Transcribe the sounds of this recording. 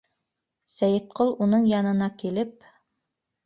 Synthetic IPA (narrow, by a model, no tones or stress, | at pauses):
sæjɘt̪̚qolˠunɤɴjɑnɤ̆nɑkilɘp̚